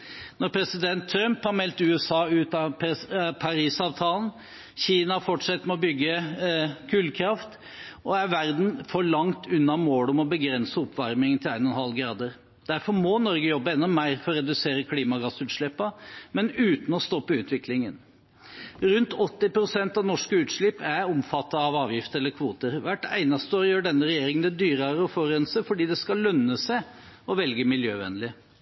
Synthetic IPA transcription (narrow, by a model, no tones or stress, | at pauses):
nɔɾpʰɾɛsɪd̪ɛnt̪ʰːɾœmphɑɾmɛlt̪ʉːɛsɑːʉːt̪ɑppʰɑɾiːsɑːʋt̪ʰɑːln̩ | çiːnɑhɑfɔʈʂɛt̪ːmɛɔbʏɡːə | kʰʉːlkʰɾɑft̪ | ʔɔæɾʋæɾd̪n̩fɔɭɑŋt̪ʰʉnːɑmoːɽɔmɔbəɡɾɛnsəɔpːʋɑɾmɪŋənt̪ʰɪlæɪnɔnhɑlɡɾɑːd̪əɾ | d̪̥æɾfɔɾmɔnɔɾɡəjɔbːəɛnːɔmæɪɾfɔɾɔɾɛd̪ʉseːɾəkʰliːmɑɡɑsʉːt̪ʂɭɛpːɑmɛnʉːt̪n̩ɔst̪ɔpːəʉːt̪ʋɪklɪŋən | ɾʉnt̪ʰɔt̪ːɪpɾʊsɛnt̪ɑʋnɔʂkəʉːt̪ʂɭɪpːæɾɔmfɑt̪ːɑːʋɑːʋjɪft̪əɾɛlːəɾkʰʋuːt̪əɾʋæʈːæ̰ɪnɑst̪əoːɾjøːɖɛnːəɾɛjeːɾɪŋənɛd̪yːɾɑɾəɔfɔɾɛnsəfɔɖiːd̪ɛskɑlːœnːəsæ | ɔʋɛlɡəmɪljøːʋɛ̰nlɪ